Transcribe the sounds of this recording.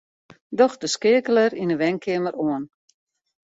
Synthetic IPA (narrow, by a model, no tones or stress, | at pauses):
dɔxdəskɪəkələɾinəʋɛŋkʰɪəməɾoən